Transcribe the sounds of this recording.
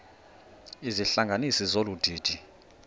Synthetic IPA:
iziɬaŋɡʱanisizolud̥ʱi̥ːd̥ʱi

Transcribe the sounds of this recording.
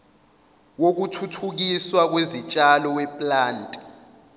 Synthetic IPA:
wok̬utʰutʰuk̬iswak̬wezit͡ʃʼalɔwɛpʼlaːntʼi̥

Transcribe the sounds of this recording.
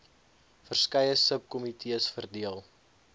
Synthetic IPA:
fərskɛjəsəp̚kɔmitʰiəsfərdiəlˠ

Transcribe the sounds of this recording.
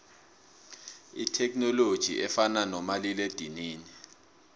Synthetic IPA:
itʰɛkʰnɔlod̥ʒ̥ʱḭʔɛfananɔmaliled̥ʱiniːni

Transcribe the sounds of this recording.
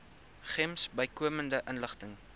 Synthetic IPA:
χɛmsbəjkuəməndəʔənləχtəŋ

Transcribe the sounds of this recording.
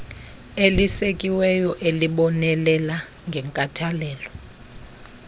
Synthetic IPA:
elisekʼiwɛjɔʔeliɓɔnɛlɛla | ŋɡʱɛŋkʼatʰalɛːlɔ

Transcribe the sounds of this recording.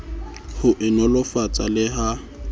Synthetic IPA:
hʊʔɪnɔlʊfat͡sʼalɪɦa

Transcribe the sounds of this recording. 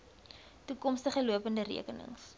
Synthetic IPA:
tukɔmstəχəluəpəndəɾḭəkənə̰ŋs

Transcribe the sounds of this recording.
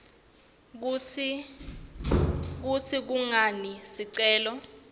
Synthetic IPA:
k̬ut͡sʰik̬uŋanisiǀɛːlɔ

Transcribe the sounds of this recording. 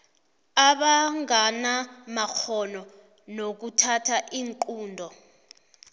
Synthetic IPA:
aɓaŋanamak͡xʰɔnɔ | nok̬utʰatʰaʔiːŋǃuːndʱɔ

